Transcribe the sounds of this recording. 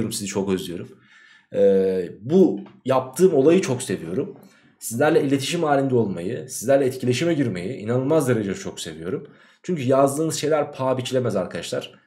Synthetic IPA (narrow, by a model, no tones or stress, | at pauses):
oɾumsizit͡ʃʰo̞køzʲijo̞ɾum | ɛbujap̚t̪ʰɯːmo̞lˠajɯt͡ʃʰo̞kse̞vijo̞ɾum | sizlʲæɾlʲɛilʲe̞t̪ʰiʃimaːlʲind̪ɛo̞lˠmajɯsizlʲæɾlʲɛːt̪̚cʰilʲe̞ʃimɛɟiɾme̞jiʔinanɯlˠmazd̪aɾad͡ʒajt͡ʃʰo̞kse̞vijo̞̰ɾum | t͡ʃʰyɲcʰyjazd̪ɯːnɯz̥ʃe̞jlʲæɾpʰaːbit͡ʃʰilʲe̞mɛzaɾkʰad̪aʃlˠaɾ̥